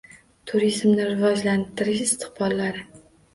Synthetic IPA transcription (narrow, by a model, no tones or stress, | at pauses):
t̪ʰʊɾizmnɪɾɪvɒd͡ʒlant̪ʰɪɾɪʃɪst̪ʰɪ̥χbɒlˠːaɾɪ